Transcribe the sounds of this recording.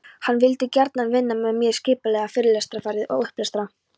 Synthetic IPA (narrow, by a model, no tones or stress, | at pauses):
hanːvɪlt̪ɪcaɾt̪nanvɪnːamɛðmjɛɾ̥scɪːpalɛɣafɪːɾɪlɛst̪ɾafaɾɪðɔ̰ɣʏhplɛst̪ɾa